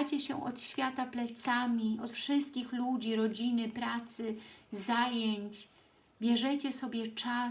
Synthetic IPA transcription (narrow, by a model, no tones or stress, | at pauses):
at͡ɕɛɕɛ̰ʔɔ̰t̪ɕfʲjat̪aplɛt̪samʲiɔt̪fʂɘst̪̚kʲixlud͡ʑiɾɔd͡ʑinɘpɾat̪sɘzajeɲt͡ɕ | bʲjɛʐɛt͡ɕɛsɔbʲjɛt͡ʂa